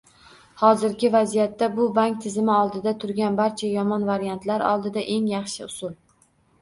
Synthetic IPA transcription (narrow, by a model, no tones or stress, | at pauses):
hɒzɪɾɡʲɪvazijat̪ːabʊbaŋk̚ʲt̪ʰɪzɪmɪɒlˠd̪ɪd̪at̪ʰʊɾɡʲanbaɾt͡ʃʰajɒmɒnvaɾjant̪ʰlaɾɒ̰lˠd̪ɪd̪aʔe̞ŋjɑχʃɪʊsʊlˠ